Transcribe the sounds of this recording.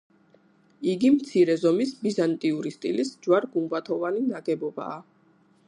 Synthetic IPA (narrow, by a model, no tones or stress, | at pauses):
iɡimt̪sʰiɾɛzɔmisbizant̪ʼiuɾist̪ʼilisd͡ʒwaɾɡumbat̪ʰɔvaninaɡɛbɔba̰ː